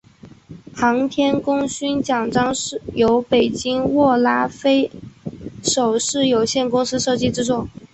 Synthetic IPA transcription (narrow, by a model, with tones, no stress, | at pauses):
pʰɑ˧˥ŋt̪ʰjɛ˥nkʊ˥ŋɕy˥nt͡ɕjɑ˨˩ŋʈ͡ʂɑ˥ŋʂɻ̩˥˩jo˧˥ʊpe˨˩ɪt͡ɕi˥ŋwɔ˥˩la˥fe˥ɪ | ʂo˨˩ʊʂɻ̩˥˩jo˨˩ʊɕjɛ˥˩nkʊ˥ŋsɹ̩˥ʂɤ˥˧t͡ɕi˥˧ʈ͡ʂɻ̩˥t͡swɔ˥˩